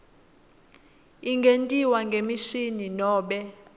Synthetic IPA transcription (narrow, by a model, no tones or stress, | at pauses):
iŋɡʱentʼiwaŋɡʱemiʃininɔːɓɛ